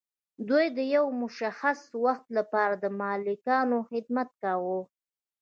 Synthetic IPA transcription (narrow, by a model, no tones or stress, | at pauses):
d̪ujd̪əjawmʊʃaxaswaxt̪lapɑɾad̪əmɑlɪkɑnoxɪd̪̚mat̪̚kawu